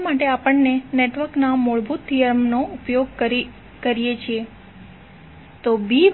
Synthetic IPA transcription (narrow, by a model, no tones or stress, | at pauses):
maʈeapəɳneneʈʋəɾknamuɭbʱut̪ːijəɾmnoʔupjoɡ̚k | kəɾijet͡ʃʰie | t̪obi